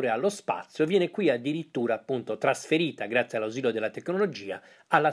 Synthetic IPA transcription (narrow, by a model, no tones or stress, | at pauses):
ɾealːospa̰t̪sːjovjɛːnekwiad̪ːiɾit̪ːuːɾaːpːunt̪ot̪ɾasfeɾiːt̪aɡɾat̪sːjialːawziːlod̪elːat̪ekːnolod͡ʒiːa̰ | alːa